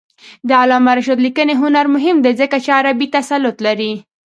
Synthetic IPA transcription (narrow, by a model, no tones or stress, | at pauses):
d̪əalɑmaɾaʃad̪likəneɦʊnaɾmʊɦɪmd̪ezəkat͡ʃeaɾabit̪asalːʊt̪laɾi